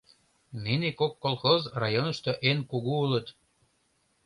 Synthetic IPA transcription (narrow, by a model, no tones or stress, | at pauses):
ninekokːolˠxozrɑjonəʃt̪oʔenkuɣuulə̆t̪